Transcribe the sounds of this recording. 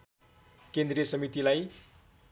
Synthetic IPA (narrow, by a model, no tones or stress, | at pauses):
kend̪riʌsʌmit̪ilaj